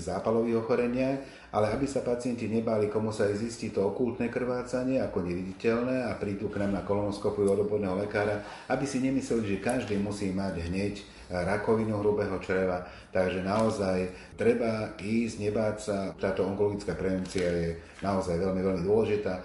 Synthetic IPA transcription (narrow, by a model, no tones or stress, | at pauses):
zaːpalɔʋiːɣɔxɔɾɛɲɪax | ʔalɛabisapat͡sɪɛnciɲɛbaːlikɔmusajzisciːt̪ɔɔkult̪nɛkr̩ʋaːt͡saɲɪɛakɔɲɛʋiɟicɛlnɛːapɾiːd̪uːknamnakɔlɔnɔskɔpujuɔd̪ɔbɔd̪nɛːɦɔlɛkaːɾa | abisiɲɛmislɛliʒɛkaʒd̪iːmusiːmaɟɦɲɛc | ɾakɔʋinuɦɾubɛɦɔt͡ʃɾɛʋa | t̪aɡʒɛnaɔzaj | t̪ɾɛbaiːzɲɛbaːcsat̪aːt̪ɔɔŋkɔlɔɡit͡skaːpɾɛʋɛnt͡siajɛ | naɔzajʋɛlmiʋɛlmid̪ʊɔlɛʒit̪aː